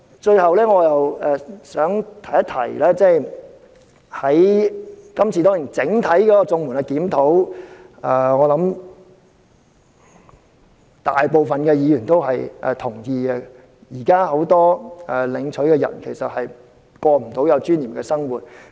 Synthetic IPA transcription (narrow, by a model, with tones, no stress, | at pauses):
t͡ʃɵ˧ɥhɐ˨wlɛː˥ŋɔː˨˧jɐ˨wɛː˨sœː˨˥ŋt̪ʰɐ˨˩jɐ˥t̪ʰɐ̰˨˩jlɛː˥t͡sɛː˥˩j | hɐ˨˥j | kɐ˥mt͡sʰiː˨t̪ɔː˥ŋji˨˩nt͡sɪ˨˥ŋt̪ʰɐ˨˥jkɔː˨˦˥kɔ˧t͡sʊ˧ŋmuː˨˩nɐ˧kiː˨˥mt̪ʰo˨˥w | ɛː˧˩ŋɔː˨˧lɐ˨˥m | t̪aː˨jpo˨wfɐ˨nkɛː˧jiː˨˧jyː˨˩nt̪o˥wɦɐ˨jʔɛː˨t̪ʰʊ˨˩ŋjiː˧ɡɛ˧ | jiː˨˩kaː˥ho˨˥wt̪ɔː˥ʔɛ˨lɪ˨˧ŋt͡ʃʰɵ˨˥ɥkɛ˧jɐ̰˨˩nkʰe˨˩jsɐ˨t̚hɐ˨j | kɔː˧m̩˨˩t̪o˨˥wjɐ˨˧wt͡ʃyː˥njiː˨˩mkɛː˧sɐ˥ŋwuː˨t̚